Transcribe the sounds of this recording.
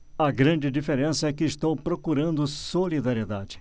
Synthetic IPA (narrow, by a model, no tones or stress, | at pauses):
ɐɡɾɐ̃d͡ʒɪd͡ʒifeɾẽsɐɛkɪːʃt̪owpɾokuɾɐ̃nd̪ʊsolid̪aɾied̪ad͡ʒɪ̥